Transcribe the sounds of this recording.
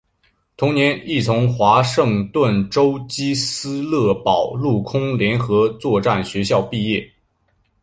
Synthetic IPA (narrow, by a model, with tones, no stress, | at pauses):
t̪ʰʊ˧˥ŋnjɛ˧˥ni˥˩t͡sʰʊ˧˥ŋxwa˧˥ʂɤ˥˧ŋt̪wə˥˩nʈ͡ʂo˥ʊt͡ɕi˥sɹ̩˥lɤ˥˩pɑ˨˩ʊlu˥˩kʰʊ˥ŋljɛ˧˥nxɤ˧˥t͡swɔ˥˧ʈ͡ʂa˥˩nɕɥɛ˧˥ɕjɑ˥˧ʊpi˥˧jɛ˥˩